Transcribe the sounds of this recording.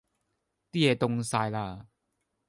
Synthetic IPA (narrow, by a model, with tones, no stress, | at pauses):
t̪i˦˥˩e˧˩t̪ʊ˧ŋsaː˧jla˧˩